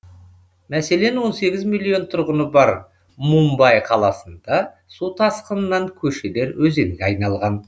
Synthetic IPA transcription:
mæse̞le̞nwo̞nse̞ɡʲɪzmilʲˠːijo̞nt̪ʰʊɾʁənəbɑɾ | mumbɑjqʰɑlˠɑsənd̪̥ɑ | sut̪ʰɑsqənənɑŋkʲʰɵʃe̞le̞ɾwɵze̞ŋɡʲeɑjnɑlˠʁɑn

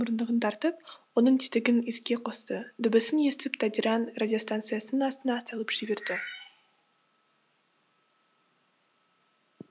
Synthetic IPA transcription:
mʊɾənd̪əʁənt̪ʰɑɾt̪əp̚wonəɴt̪ʰit̪ɪɡʲɪnɪzkʲe̞qʰo̞st̪əd̪ʏbɪsɪnje̞st̪ɪpt̪ʰad̪iɾanrad̪ʲijo̞st̪ant̪sɨjasənənɑst̪ənɑːst̪ɑlˠəpʒ̥ɪbe̞ɾd̪ɪ

